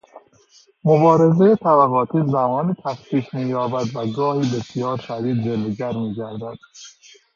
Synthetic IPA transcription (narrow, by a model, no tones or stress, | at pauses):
mobɒːɾe̞zejet̪ʰæbæɣɒːt̪ʰiːzæmɒːnit̪ʰæspiːkmiːjɒːbæd̪væɡɒːhiːbe̞sjɒːɾʃæd̪iːd̪̚d͡ʒeloɟæɾmiːɟæɾd̪æd̪̥